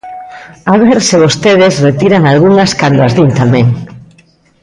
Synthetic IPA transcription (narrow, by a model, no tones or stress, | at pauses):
aβ̞eɾsɪβost̪eðɪsret̪iɾaŋalɣuŋɐskand̪oazðint̪amɛ̃ŋ